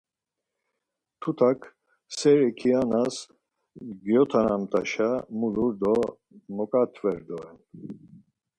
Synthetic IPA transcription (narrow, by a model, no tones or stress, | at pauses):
t̪ʰut̪ʰakʰ | sɛɾɛkʰianas | ɡjɔt̪ʰanamt̪ʼaʃamuluɾd̪ɔ | mɔkʼat̪ʰvɛɾd̪ɔɛn